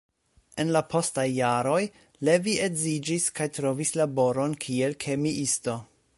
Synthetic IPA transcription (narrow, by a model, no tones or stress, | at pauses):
e̞nlapʰo̞stajːaɾo̞j | le̞vie̞zid͡ʒiskajtɾo̞vislabo̞ɾo̞nkʰie̞lkʰe̞miʔisto̞